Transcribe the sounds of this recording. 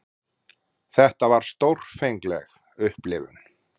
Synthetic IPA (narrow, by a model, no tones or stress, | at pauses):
θɛht̪avaɾ̥st̪owr̥fejŋklɛ̰x | ʏhplɪvʏ̰n